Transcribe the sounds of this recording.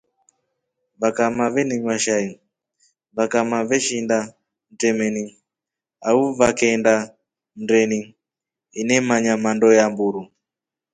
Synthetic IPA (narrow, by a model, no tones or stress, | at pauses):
βakamaβɛniɲwaʃai | βakamaβɛʃinda | n̩tɛmɛni | auβakɛnda | n̩dɛni | inɛmaɲamandɔjambuɾu